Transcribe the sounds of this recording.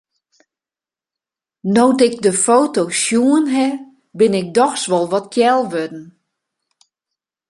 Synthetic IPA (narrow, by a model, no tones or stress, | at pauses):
nowtɪk̚dəfoːtosjuənɦɛ | bɪnɪk̚dɔxsʋɔlˠʋɔt̚jɛlˠʋødn̩